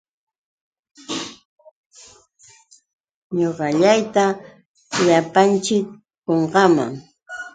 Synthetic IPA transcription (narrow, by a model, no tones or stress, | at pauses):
ɲoɢɑʎajt̪a | ʎapant͡ʃɪkː | oɴɢɑma̰ŋ